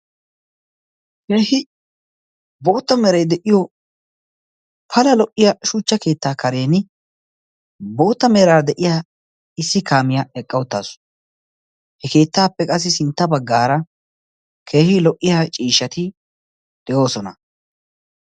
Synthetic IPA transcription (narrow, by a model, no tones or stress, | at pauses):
heːhɪ | bo̞ːt̪ːɐmeɛɾɐjd̪ɛʔɪjɔ | pʰɐlɐlɔʔːɪjɐʃuːt͡ʃːɐke̞ːt̪ːaːkɐɾe̞ːnɪ | bo̞ːt̪ːɐmeːɾaːd̪ɛʔɪjaː | ɪsːɪkaːmɪjaɛkʼːɐwʊt̪ːa̰ːsʊ̥ | hɛke̞ːt̪ːaːpːɛkʼɐs̬ːɪsɪnt̪ːɐbɐɡːaːɾɐ | kʰeːhɪlɔʔːɪjat͡ʃʼiːʃːɐt̪ɪ | d̪̥ɛʔo̞ːsɔnɐ